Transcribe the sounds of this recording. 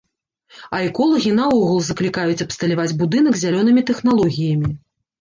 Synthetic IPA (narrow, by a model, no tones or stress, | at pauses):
ɐɛkɔlˠɐɣʲinɐɔɣulˠzɐklʲikajut͡sʲɐpst̪ɐlʲavad͡zʲbud̪ɨnɐɡzʲalʲɔnɨmʲit̪ɛxnalˠɔɣʲijɐmʲi